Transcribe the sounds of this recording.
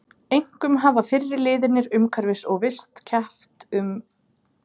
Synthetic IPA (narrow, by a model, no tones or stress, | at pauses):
ejŋ̥kʏmɦaːvafɪrːɪɾlɪːðɪnɪɾʏmkʰaɾvɪsɔɣvɪst̪cʰaft̪ʏm